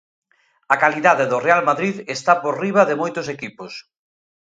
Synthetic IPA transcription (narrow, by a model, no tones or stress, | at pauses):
ɐkaliðaðeðʊrealmaðɾiðest̪apoɾriβ̞ɐðemojt̪ʊsekipʊs